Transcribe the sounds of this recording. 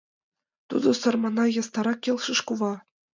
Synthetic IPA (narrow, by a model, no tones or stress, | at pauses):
t̪ṵd̪ɤ̆sɤ̆rmɑnɑjɤ̆st̪ɑɾɑkʲːelʲˠʃɤ̆ʃkuβɑ